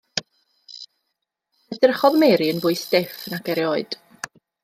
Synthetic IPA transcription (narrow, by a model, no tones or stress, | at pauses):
ədɪrχɔðmeːɾiənbʊɨsd̥ɪfnakɛɾjoːɨd̥